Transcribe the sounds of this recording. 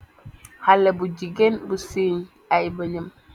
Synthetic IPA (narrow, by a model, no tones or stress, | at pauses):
halɐbuɟiɡenbusiːɲ | ajbəɲəm